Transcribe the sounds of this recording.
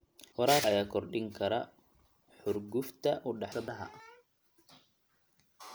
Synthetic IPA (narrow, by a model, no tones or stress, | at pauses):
hɔɾaːɐjaːkʰɔrɖɪŋkʰɐɾɐ | ħʊrɡʊft̪ʰɐʔʊɖɑħsɐðɐɦɐ̰ʔ